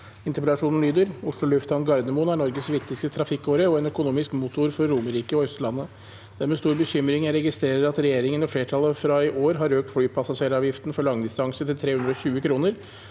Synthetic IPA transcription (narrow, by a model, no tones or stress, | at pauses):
ɪnt̪əɾpɛlɑʂuːnn̩lyːd̪əɾʊʂɭʊlʉft̪hɑnɡɑɾd̪əmʊnæɳɔɾɡəsʋɪkt̪ɪst̪ət̪ʰɾɑfɪkːoːɾəɔɛnœkʊnuːmɪskmut̪ʊɾfɔɾːuːməɾiːkəɔœst̪lɑnːə | d̪̥æɾmɛst̪uːɾbəçʏmɾɪŋæɾɛɡɪst̪ɾeːɾəɾɑt̪ɾɛjeːɾɪŋənɔfleːʈʰɑlːəfɾɑɪʔoːɾɦɑɾøːk̚t̪flyːpʰɑsɑʂeːɾɑːʋjɪft̪n̩fɔɭɑŋd̪ɪst̪ɑŋsət̪ʰɪlt̪ʰɾeːʉnd̪ɾɔçʉːəkʰɾuːnəɾ